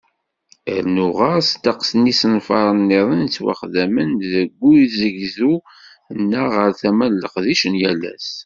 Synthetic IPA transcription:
əɾnuʁɑst̪ːɑqsənisənfɑ̰ɾˤənːiðˤənt͡sːwa̰χðæmənðəɡʷːuzəʝzu | ənːəʁəɾθæmælːəqðiʃənjælæ̰s

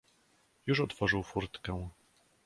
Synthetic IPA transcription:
juʂɔt̪fɔʐɘwfuɾt̪kɛw̃

